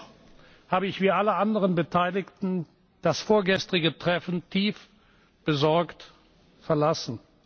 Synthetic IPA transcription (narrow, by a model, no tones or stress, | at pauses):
haːbəɪçv̥iːʔaləʔandəʁənbətʰaɪlɪktn̩ | d̥asfoːɐɡɛstʁ̥ɪɡətʁ̥ɛfn̩tʰiːf | b̥əzɔɐkt | fɛɐlasn̩